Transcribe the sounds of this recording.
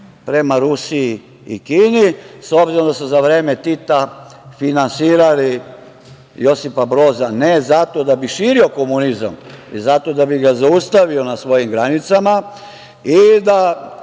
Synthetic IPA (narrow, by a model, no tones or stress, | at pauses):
pɾe̞maɾusii | ḭkiːniso̞bziɾomd̪asuzaʋɾe̞ːme̞t̪it̪afinansiːɾali | jo̞sipabɾo̞ːzane̞zat̪o̞d̪abiʃiːɾio̞ko̞muniza̰mizat̪o̞d̪abiɡazaust̪aʋio̞nasʋo̞jimɡɾanit̪sama | id̪a